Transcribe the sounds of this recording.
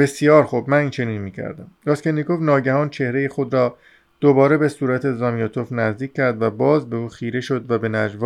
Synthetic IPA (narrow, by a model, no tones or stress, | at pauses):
be̞sjɒːɾxubmæniːnt͡ʃʰe̞niːnmiːcʰæ̰ɾd̪æ̰mɾɒskʰenːikovnɒːɟæhɒːnt͡ʃʰe̞hɾe̞jexod̪ɾɒː | d̪̥obɒːɾe̞besuːɾæt̪ʰezɒːmiot̪ʰofnæzd̪iːc̚ʲʰːæɾd̪væbɒːzbe̞uːxiːɾe̞ʃo̞d̪væbe̞næd͡ʒvɒ